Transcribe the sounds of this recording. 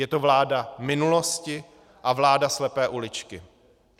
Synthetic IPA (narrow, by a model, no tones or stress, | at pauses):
jɛt̪ovlaːdamɪnulo̞scɪ | ʔavlaːdaslɛpɛːʔulɪt͡ʃkɪ